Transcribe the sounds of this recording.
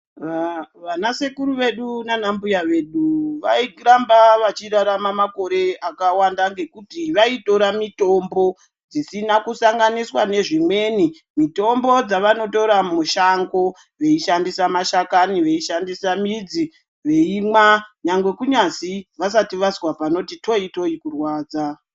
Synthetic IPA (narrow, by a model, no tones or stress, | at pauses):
ʋanase̞kuɾuʋe̞ɗunanambujaʋe̞ɗuʋaiɾambaʋat͡ʃiɾaɾamamako̞ɾe̞akawandaŋɡe̞kutiʋaito̞ɾamito̞mbo̞ | d͡zisinakusaŋɡaniswane̞ʐimwe̞ːni | mito̞mbo̞d͡zaʋano̞to̞ɾamuʃaŋɡo̞ | ʋe̞iʃandisamaʃakaniʋe̞iʃandisamid͡zi | ʋe̞imwaɲaŋɡwe̞kuɲasiʋas̬atiʋazwapano̞tito̞ito̞ikurwaːd͡za